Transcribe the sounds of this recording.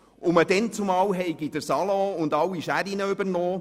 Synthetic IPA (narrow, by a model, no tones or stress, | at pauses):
ʊmədɛnt͡sʊmɑːwɦɛɪɡid̥əɾsɑlɔ̃ʊndɑwiʃæɾinəøbəɾnɔː